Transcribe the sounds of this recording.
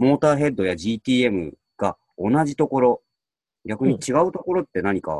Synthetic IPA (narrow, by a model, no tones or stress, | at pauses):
mo̞ːt̪aːɦe̞d̪ːo̞jaʑiːt̪ʲiːe̞mɯ̟̰ | ɡ̥a | onaʑit̪o̞ko̞ɾo̞ | ɡʲakɯ̟ɲ̟it͡ɕiɡaɯ̟t̪o̞ko̞ɾo̞t̪ːe̞naɲ̟ika̰